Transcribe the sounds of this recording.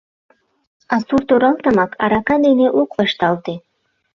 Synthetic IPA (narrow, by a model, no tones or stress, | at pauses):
ɑsuɾt̪oɾɑlˠt̪ɑmɑkʰɑ̰ɾɑkɑd̪eneʔokvɑʃt̪ɑlt̪e